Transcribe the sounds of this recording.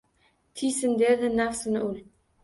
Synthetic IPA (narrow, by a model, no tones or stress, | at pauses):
t̪ʰijsɪnd̪eɾd̪ɪnafsɪnɪʊl